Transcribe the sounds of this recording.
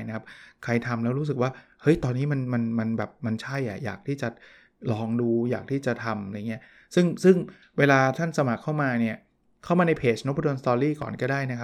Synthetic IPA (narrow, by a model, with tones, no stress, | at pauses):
jna˦˥kʰa˦˥p̚kʰa˧jt̪ʰa˧mlɛː˦˥wɾuː˦˥s̬ɯ˨˩k̚waː˥˩hɤ˦˥jt̪ɔː˧nːiː˦˥ma˧nma˧nma˧nbɛː˨˩p̚ma˧nt͡ɕʰa˥˩jʔa̰˨˩ja̰ː˨˩k̚t̪ʰiː˥˩t͡ɕa˨˩ | lɔː˧ŋduː˧jaː˨˩k̚t̪ʰiː˥˩t͡ɕa˨˩t̪ʰa˧ma˧jŋːi˦˥ɐ | sɯ˥˩ŋsɯ˥˩ŋ | weː˧laː˧t̪ʰa˥˩nsa˧ma˨˩kʰːa˥˩wmaː˧ni˥˩ɐ | kʰa˦˥˩wmaː˧na˧jpʰeː˨˩t͡ɕno˦˥pʰːdo˧nst̪ɔː˧ɾiː˥˩kɔ̰ː˨˩nkɔː˥˩daː˥˩jna˦˥kʰa˦˥